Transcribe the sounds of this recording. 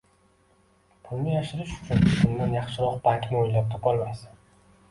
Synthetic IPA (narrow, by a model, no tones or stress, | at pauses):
pʰʊlˠnɪjaʃɪɾɪʃʊ̥t͡ʃʰʊnbʊnd̪anjɑχʃɪɾɒqbaŋkʲnɪojlap̚t̪ʰɒpɒlˠmasɪn